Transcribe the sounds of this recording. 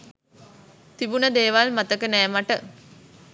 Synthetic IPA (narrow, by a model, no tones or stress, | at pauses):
t̪ibunəd̪eːʋalmat̪əkənɛːmaʈə